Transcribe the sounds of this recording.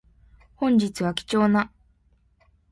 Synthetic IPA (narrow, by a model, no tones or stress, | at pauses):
hõ̞ɲ̟d͡ʑit͡sɨβakʲi̥t͡ɕo̞ːna